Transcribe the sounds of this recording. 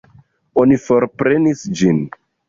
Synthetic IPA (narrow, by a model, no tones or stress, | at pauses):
onifo̞ɾpɾe̞nisd͡ʒin